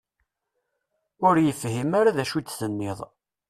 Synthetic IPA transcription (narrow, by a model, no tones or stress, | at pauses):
ʊɾjəfhimaɾaðæʃut͡s̪ːθənːɪðˤ